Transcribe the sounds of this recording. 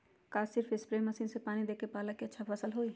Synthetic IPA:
kaːsɪɾfɪspɾeːmːɐsiːnsepaːnid̪eːkepaːləkeɐtːʃʰafɐsəlɦoːi

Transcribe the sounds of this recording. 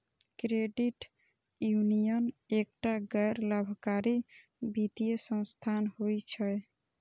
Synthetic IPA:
kɾeɖiʈ | junijənek̚ʈaɡɛjɾləbʱkaɾi | bit̪ijesə̃st̪ʰanhojt͡ʃʰə

